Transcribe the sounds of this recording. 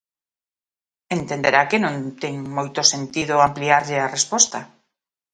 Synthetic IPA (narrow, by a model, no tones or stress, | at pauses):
ent̪end̪eɾakenõnt̪eŋmojt̪osent̪iðoampliaɾʎɪarespɔst̪a